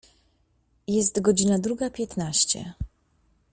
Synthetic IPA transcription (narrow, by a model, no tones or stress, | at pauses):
jɛst̪ɡɔd͡ʑinad̪ɾuɡapʲjɛt̪naɕt͡ɕɛ̰